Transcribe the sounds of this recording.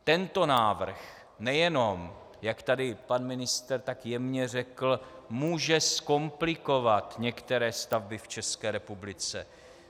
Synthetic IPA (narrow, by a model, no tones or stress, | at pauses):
t̪ɛnt̪o̞naːvr̩x | nɛjɛno̞m | jakt̪adɪpanmɪnɪst̪ɛrt̪akjɛmɲɛr̝ɛkl̩muːʒɛsko̞mplɪko̞vat̪ɲɛkt̪ɛɾɛːst̪avbɪft͡ʃɛskɛːɾɛpublɪt͡sɛ̰